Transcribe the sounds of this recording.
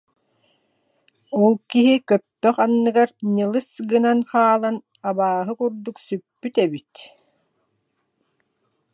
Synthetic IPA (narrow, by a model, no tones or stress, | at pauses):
ɔlˠkiɦikœpːœχanːɯɡaɾɲɯlˠɯsɡɯnanχaːlˠan | abaːɦɯkuɾd̪uksypːyt̪ɛbit̪